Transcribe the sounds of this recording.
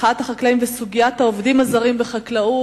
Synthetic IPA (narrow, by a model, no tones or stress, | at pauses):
at̪haχaklaimvesuɡijat̪haovd̪imazaʁimbeχaklau